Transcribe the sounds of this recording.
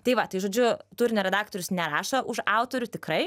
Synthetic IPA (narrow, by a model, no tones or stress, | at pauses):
t̪ɐɪʋɐt̪ɐɪʒoːd͡ʒʲʊt̪ʊɾʲnʲoɾʲɛd̪ɑːk̚t̪oːɾʲʊsnʲɛɾɑːʃɐʔʊʃɑʊt̪oːɾʲʊt̪ʲɪkɾɐɪ